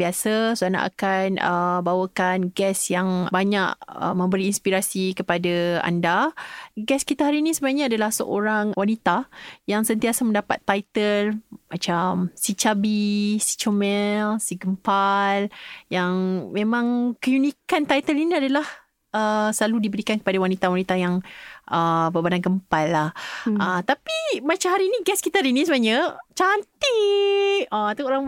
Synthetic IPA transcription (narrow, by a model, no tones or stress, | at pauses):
biasasuana̰ʔa̰kanəbawəkanɡɛsjaŋbaɲaʔə̰mə̃mbəɾiːnspiɾasikəpadaa̰ndaɡɛskit̪aɦaɾiːnĩsəbaaɲaadalahsə̰ʔo̰ɾaŋwanit̪ajaŋsənt̪iasamə̃ndapa̰t̪ːajt̪əlmat͡ʃamsit͡ʃabisi̥t͡ʃomɛlsiɡəmpaljaŋmẽmãŋkəjunikant̪ajt̪əliniadalah | əsəlaludibəɾikankə̥padawanit̪awanit̪ajaŋʔəbəbanankəmpalːahət̪apimat͡ʃamɦaɾiːniɡɛskit̪aɾinisəbaɲət͡ʃant̪i | əat̪aoɾaŋ